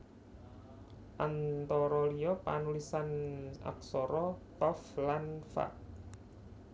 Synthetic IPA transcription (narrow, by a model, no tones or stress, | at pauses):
ʔant̪ɔɾɔlijɔpanulisana̰k̚sɔɾɔt̪ɔflanfa̰t̚